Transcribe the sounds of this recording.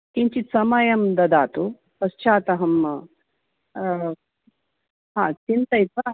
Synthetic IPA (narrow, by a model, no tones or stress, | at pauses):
kiɲt͡ʃit̪sɐmɐjɐmd̪ɐd̪aːt̪u | pɐst͡ʃaːt̪ɐɦɐm | ɦaːt͡ʃint̪ɐjt̪ɐ